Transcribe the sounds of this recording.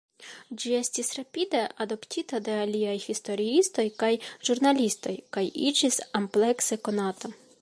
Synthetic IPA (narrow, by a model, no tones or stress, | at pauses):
d͡ʒie̞stisɾapʲideʔado̞ptʰitade̞aliajhisto̞ɾiisto̞jkajʒ̥uɾnalʲisto̞jkajid͡ʒisample̞kseko̞nato̞